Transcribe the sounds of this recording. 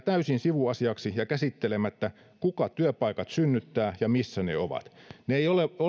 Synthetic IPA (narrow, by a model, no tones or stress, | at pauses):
t̪æysinsiʋuɑsiɑksijɑkæsit̪ːelemæt̪ːæ | kukɑt̪yøpɑikɑt̪synːyt̪ːæːjɑmisːænḛoʋɑ̰t̪neeijoleo